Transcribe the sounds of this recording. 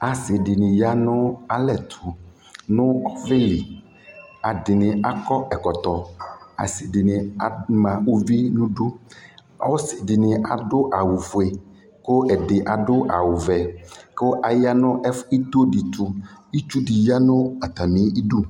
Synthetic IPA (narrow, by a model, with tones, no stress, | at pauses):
a˨sɪ˨dɪ˨nɪ˨ja˦nʊ̃˦a˨lɛ˨t̪ʰʊ˨ | nʊ̃˦ɔ˦vɪ˦li˨ | a˨dɪ˨nɪ˨a˨kɔ˦ɛ˨kɔ˨t̪ɔ˨a̰˨sɪ˨ɖɪ˨nɪ̃˨a˨mã˨wo˦vi˦nũ˦ɖo˦ | a̰˦wo˦sɪ˨dɪ˨nɪ̃˨ʔa˨ɖʊ˦ʔa˨wu˨vu˨e˨ | ko˦ʔɛ˨ɖɪ˨ʔa˨ɖʊ˦ʔa̰˨wu˨vɛ˨ko˦ʔa˨ja˦nʊ̃˦ʔɛ˦fi˦t̪o˦ɖi˨t̪u˨i˦t͡ʃu˦ɖi˨ja˦nʊ̃˦a˨t̪a˨mĩ˨˦i˦ɖu˦